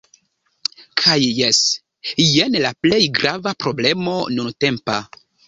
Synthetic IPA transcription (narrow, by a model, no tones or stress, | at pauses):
kʰajːes | jenlaple̞jɡɾavapɾo̞ble̞mo̞nunte̞mpa